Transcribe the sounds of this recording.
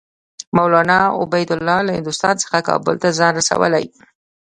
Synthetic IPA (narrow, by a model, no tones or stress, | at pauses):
mawlɑnɑʊ̰bajd̪ʊlːɑlahɪ̰nd̪ʊst̪ɑnt͡sə̥xakɑ̰bʊ̰lt̪azɑnɾasa̰wə̰la̰j